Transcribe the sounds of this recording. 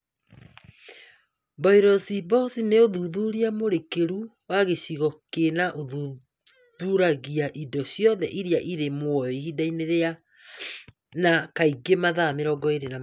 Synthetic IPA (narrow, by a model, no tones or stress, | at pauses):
baiɾɔsibɔsineoðuðuɾiamoɾekeɾu | waɣeɕiɣɔkenaʔoðu | ðuɾaɣiaʔidɔɕjɔðɛʔiɾiaʔiɾemwɔɔiɦidaineɾea | nakaiɡemaðameɾɔɡɔeɾena